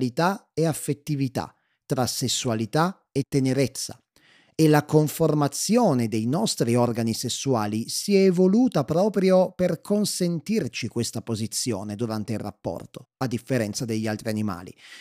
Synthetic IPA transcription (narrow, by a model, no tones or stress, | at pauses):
lit̪aeafːet̪ːivit̪a̰ | t̪ːɾasːesːualit̪a | et̪ːeneɾet̪sːa̰ | elakoɱformat̪sːjoːned̪ejnɔst̪ɾiɔrɡanisesːuaːlisiɛvoluːt̪apɾɔːpɾjoperkʰonsent̪irt͡ʃikwest̪apozit̪sːjo̰ːned̪uɾant̪eilrːa̰pːɔ̰rt̪oad̪ːifːeɾɛnt̪sad̪eʎːialt̪ɾianima̰ːlḭ